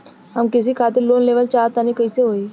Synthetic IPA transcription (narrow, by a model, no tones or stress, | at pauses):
ɦəmkɪs̬ikʰaːt̪ɪɾloːnleːʋəlt͡ʃaːɾt̪anikəiseɦoːi